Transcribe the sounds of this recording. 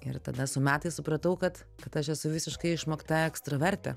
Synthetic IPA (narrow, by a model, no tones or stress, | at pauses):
ɪrt̪ɐd̪ɐsʊmʲæːt̪ɐɪsʊpɾɐt̪ɐʊkɐt̪ | kɐt̪ɐʃɛsʊʋʲɪsʲɪʃkɐɪɪʃmoːkt̪ɐɛkst̪ɾɐʋʲɛɾʲt̪ʲɛ̰